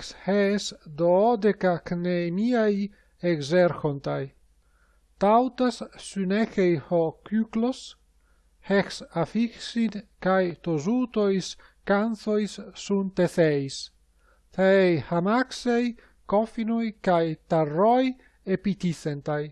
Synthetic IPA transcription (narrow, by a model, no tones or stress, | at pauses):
kshesd̪oːd̪ekaknemiaj | eɡzeɾxont̪aj | t̪awt̪asːynɛxejhokyklos | hɛksafiksinkajt̪ozut̪ojs | kanθojsːunt̪eθejs | θejhamaksej | kɔfinojkajt̪arːoj | epit̪iθent̪aj